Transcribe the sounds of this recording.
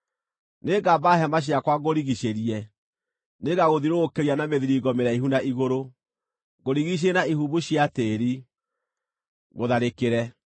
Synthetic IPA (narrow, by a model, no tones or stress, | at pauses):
neɡabaɦɛmaɕ̬iakwaɣoɾiɣiɕeɾiɛ | neɣaɣoðiɾoːkeɾianameðiɾiɡɔmeɾaiɦunaʔiɣoɾo | ɣoɾiɣiɕ̬enaihuβuɕiateɾi | ɣoðaɾekeɾɛ